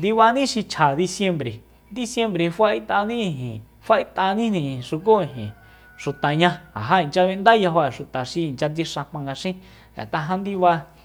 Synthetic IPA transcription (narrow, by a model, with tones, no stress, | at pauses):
nd̪i˧βa˧nĩ˦ʃi˧t͡ʃʰa˨ði˧sje˧mbɾe˨ | nd̪i˧sje˧mbɾe˨fa˦ʔi˦t̪a˧nĩ˦ĩ˧˨ɦĩ˨ | fa˦ʔi˦t̪a˧nĩ˦nĩ˧˨ʂu˧k̬o˦ĩ˨ɦḭ̃˨ | ʃu˨t̪a˨ɲã˧a̰˨ɦa˧i˨t͡ʃa˧βi˧nd̪a˦ja˧ɦo˧e˨ʃu˨t̪a˨ʃi˧i˨nt͡ʃa˧t͡si˧ʂã˧m̥ã˧ŋɡa˧ʃĩ˦ | a̰˨t̪a˧ɦã˧nd̪i˦βa˧